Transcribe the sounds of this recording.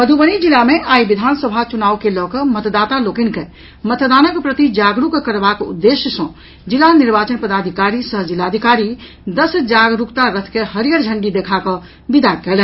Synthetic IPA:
pəd̪ʱubənid͡ʒilameʔaibid̪ʱansəbʱat͡ʃunaukelɔkəmət̪d̪at̪alokinke | mət̪d̪anəkpɾət̪id͡ʒaɡɾukkːəɾbakṵd̪ːesjəsə̃ | d͡ʒilːaniɾbat͡ʃənpəd̪ad̪ʱikaɾisəɦd͡ʒilad̪ʱikaɾi | d̪əsd͡ʒaɡɾukt̪aɾət̪ʰkeɦəɾjəɾd͡ʒʱəɳɖid̪ekʰakə̃ | bid̪akɛlɛn

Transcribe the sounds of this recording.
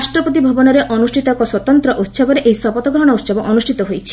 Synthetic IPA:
ʃʈɾɔpot̪ibʱɔbɔnɔɾeʔɔnuʃʈʰit̪ɔkɔswɔt̪ɔnt̪ɾɔʔut̪ʃabɔɾeʔejsɔpɔt̪ɔɡɾɔɦɔɽ̃ɔut̪ʃɔbɔʔɔnusʈʰit̪ɔɦojt͡ʃʰi̥

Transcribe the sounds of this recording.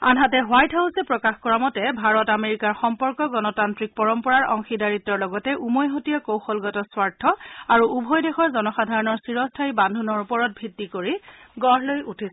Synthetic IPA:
anɦatɛɦʊajtʰaʊsɛpɹɔkaxkɔɹamɔtɛbʱaɹɔtameɹikaɹxɔmpɔɹkɔɡɔnɔtantɹik̚pɔɹɔmpɔɹaɹɔ̰ŋxidaɹitːɔɹlɔɡɔtɛʔumɔjɦotijakowxɔlɡɔtɔswaɹtʰːɔaɹuʔubʱɔjdexɔɹzɔnɔxadʱaɹɔnɔɹsiɹɔstʰaibandʱunɔɹupɔɹɔt̚bʱɹitːikoɹi | ɡɔɹlojutʰis

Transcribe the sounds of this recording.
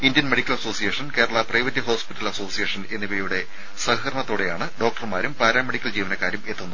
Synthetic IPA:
indjɐnmeɽikʲːɐlɐso̞ːsijeːʂɐnke̞ːɾɐɭaprɐjʋɐtːiɦoːspitːɐlɐso̞ːsijeːʂɐne̞nːibɐjuɽe̞ | sɐhɐkrɐɳɐt̪ːoːɽe̞jaːɳɨɖoːk̚ʈɐrmaːɾumpaːɾaːmːeɽikʲːɐld͡ʑiːʋɐnɐkːaːɾjɐme̞t̪ːunuð

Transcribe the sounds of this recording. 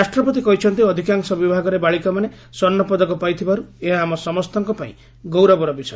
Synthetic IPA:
asʈɾɔpɔt̪̬ikɔɦit͡ʃʰɔnt̪iɔd̪ʱikaŋsɔbibʱaɡɔɾebaɭikɔmane | sɔnːɔpɔd̪ɔkɔpajt̪ʰibaɾueɦaːmɔsɔmɔst̪ɔŋkɔpaḭ̃ | ɡowɾɔbɔɾɔbisɔ

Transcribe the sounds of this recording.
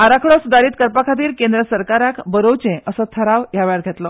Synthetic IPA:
aɾakʰɭɔsud̪aɾiːt̪kəɾpakʰat̪̬iːɾkend̪ɾəsəɾkaɾakbəɾowt͡ɕẽʔəsət̪ʰəɾaʋjaʋjaɾɡʱet̪lɔ

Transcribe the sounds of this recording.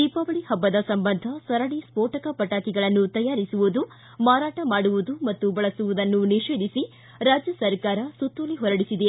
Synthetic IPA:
d̪ipɐʋɐɭihɐbːɐd̪ɐsɐmbɐnd̪ʱɐsɐɾɐɽispoːʈɐkɐpɐʈaːkiɡɐɭɐnːut̪ɐjaːɾisuʋud̪u | maːɾaːʈɐmaːɽuʋud̪umɐt̪ːubɐɭɐsuʋud̪ɐnːuniʂeːd̪ʱisi | ɾaːd͡ʒjɐsɐɾkaːɾɐsut̪ːoliɦɔɾɐɽisid̪e

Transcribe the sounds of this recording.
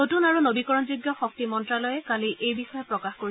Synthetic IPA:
notunaɹunobikɔɹɔnzuɡjɔxɔk̚timɔntɹalɔjɛkaliʔejbixɔjɔpɹɔkaxkoɹiɛ

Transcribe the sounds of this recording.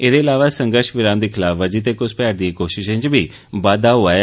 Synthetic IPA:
eːd̪eːɪlaːʋaːsə̃ŋɡəɾʃʋɪɾaːmd̪iːkʰɪlaːfad͡ʒit̪̬eːkʊspɛːɾd̪ieːkoːʃɪʃẽːt͡ʃbʱiː | baːd̪aːɦʊaː

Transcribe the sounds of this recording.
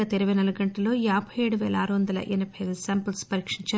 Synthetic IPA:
ɐt̪eɾɐʋɐnɐlɐɡɐɳʈɐlo̞ːjaːbʱɐjeɽuʋɛːlɐaːɾuʋɐnd̪ɐlɐ̰ʔḛnɐpʰɐjʋsaːmpɐlspɐɾiːkʂiɲt͡ʃaː

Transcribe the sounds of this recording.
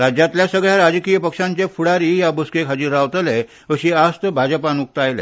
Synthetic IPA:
ɾad͡ʑjat̪ljasəɡɭjaɾad͡ʑəkijəpəkʂãɲt͡ɕefuɽaɾijabuskekɦad͡ʑiːɾaʋt̪əlɛ | əɕiast̪əbʱad͡ʑəpanuk̚t̪ajlɛ̰

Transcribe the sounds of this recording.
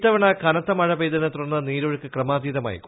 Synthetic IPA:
t̪ɐʋɐɳɐkɐnɐt̪ːɐmɐɻɐʋeːd̪ɐnɐt̪urɐnːɐniːɾuɻɨkːɨkrɐmaːd̪iðɐma̰ːjḭ

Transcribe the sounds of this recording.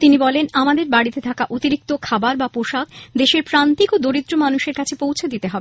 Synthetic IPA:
t̪inibɔlenamad̪eɾbaɽit̪et̪ʰakaʔot̪iɾik̚t̪okʰabaɾbapoʃak̚d̪eʃeɾpɾant̪ikod̪oɾid̪ɾomanuʃeɾkat͡ɕʰepowt͡ɕʰed̪it̪eɦɔbe

